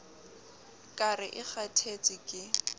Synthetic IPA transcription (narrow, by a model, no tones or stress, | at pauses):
kʼarɪʔɪχatʰet͡sʼɪkʼɪ